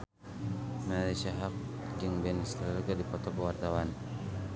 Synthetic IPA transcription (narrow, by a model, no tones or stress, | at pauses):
malajsiaɦak̚ɡəŋbɛnst̪lɡadipɔt̪ɔkəwart̪awan